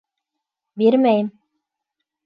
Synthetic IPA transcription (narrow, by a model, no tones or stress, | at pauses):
beɾmæjm